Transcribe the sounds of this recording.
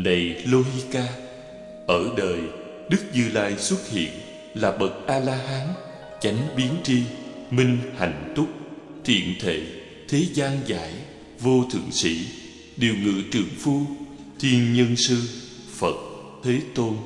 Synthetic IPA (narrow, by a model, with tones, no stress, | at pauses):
na˨˩jlo˧ɦi˧kaː˧ | ʔəː˧˩ɗəː˨˩j | ɗɨ˦˥k̚zɨ˧laː˧jswə˦˥t̚hḭ˧˨ən | laː˨˩ɓə˨˩t̚ʔaː˧laː˧ɦaː˨˦n | t͡ɕa˨˦jŋ̟ɓi˨˦ənt͡ɕi˧mï˧ŋ̟ha̰˧˨jŋ̟t̪ʊ˦˥k͡p̚t̪ʰḭ˧˨ənt̪ʰḛ˧˩˨ | t̪ʰe˨˦zaː˧nza̰ː˧˥j | vo˧t̪ʰɨ̰˧˨əŋsḭ˧˥ | ɗi˨˩əwŋɨ̰˧˨t͡ɕɨ̰˧˩əŋfu˧ | t̪ʰi˧ənɲə˧nsɨ˧ | fə˨˩t̚ | t̪ʰe˨˦t̪o˧n